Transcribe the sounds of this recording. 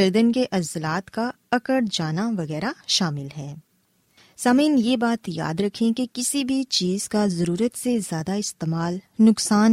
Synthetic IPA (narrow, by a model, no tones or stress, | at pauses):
ɐɾd̪ənkeʔɐzlaːt̪ka | ɐkəɽd͡ʒaːnaʋɐɣɛːɾaʃaːmɪlɦɛː | saːmiːnjeːbaːt̪ja̰ːd̪ɾɐkʰẽkekɪsibʱit͡ʃiːz̥kazɐɾuːɾət̪sezjaːd̪aɪst̪eːmaːlnʊksaːn